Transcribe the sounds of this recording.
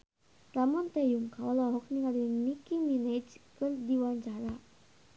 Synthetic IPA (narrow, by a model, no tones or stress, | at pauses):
ramɔnt̪ejuŋkalɔɦɔk̚niŋalinikimined͡ʒkɨrdiwaɲt͡ʃaɾa